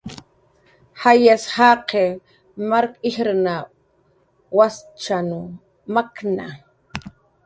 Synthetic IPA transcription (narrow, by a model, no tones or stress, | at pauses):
hajashaqe | maɾkihɾna | wast͡ʃanu | makna